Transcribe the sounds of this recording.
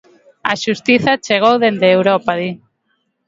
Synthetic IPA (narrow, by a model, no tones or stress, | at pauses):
ɐ̰ʃust̪iθat͡ʃeɣ̞owðend̪eːwɾɔpaði